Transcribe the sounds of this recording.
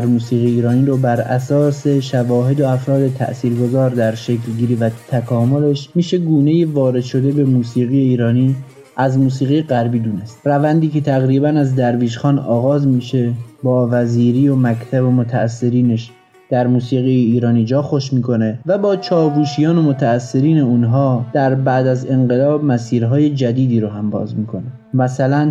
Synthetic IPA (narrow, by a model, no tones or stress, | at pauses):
ɾmuːsiːɣijiːɾɒːniːɾobæɾæ̰sɒːse̞ʃævɒːɦe̞d̪oæfɾɒːd̪e̞t̪ʰæ̰ʔsiːɾɡo̞zɒːɾd̪æɾʃe̞kʰlɟiːɾivæt̪ʰækʰɒːmole̞ʃmiːʃe̞ɡuːne̞jevɒːɾed̪̥ʃo̞d̪e̞be̞muːsiːɣijeiːɾɒːniː | ʔæzmuːsiːɣijeɣæɾbiːd̪uːne̞st̪rævænd̪iːce̞t̪ʰæɣɾiːbænæzd̪æɾviːʃxɒːnɒ̰ːɣɒːzmiːʃe̞bɒːvæziːɾiːomækt̪ʰæbomot̪ʰæːsːe̞ɾiːneʃ | d̪̥æɾmuːsiːɣijeiːɾɒːniːd͡ʒɒːxoʃmiːkʰo̞ne̞væbɒːt͡ʃʰɒːvuːʃijɒːnomot̪ʰæːsːe̞ɾiːne̞uːnɦɒːd̪̥æɾbæʔd̪æze̞ŋɢelɒːb̚mæsiːɾɦɒːje̞d͡ʒæd̪iːd̪iːɾoɦæmbɒ̰ːzmiːkʰo̞ne | mæsælæn